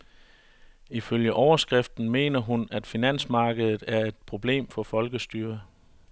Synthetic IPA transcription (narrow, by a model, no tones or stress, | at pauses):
iføljəʔɒʊɐsɡ̥ʁɛfd̥n̩me̝̰ːnɐɦunæd̥finæn̰smɑ̈ːɡ̥əð̞ˠð̩ˠæɐe̝d̥̚pʰʁo̝b̥le̝̰ːmfɒ̽fɒ̽lɡ̥əsd̥yːɐ